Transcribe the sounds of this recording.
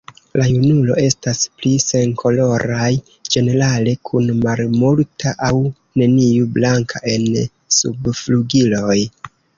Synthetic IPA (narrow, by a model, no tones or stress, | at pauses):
lajunulo̞̰e̞stasplise̞ŋkʰo̞lo̞ɾaj | d͡ʒe̞ne̞ɾale̞kʰunmalmultʰaʔaw | ne̞niublaŋkʰaʔe̞n | sṵbfluɡilo̞j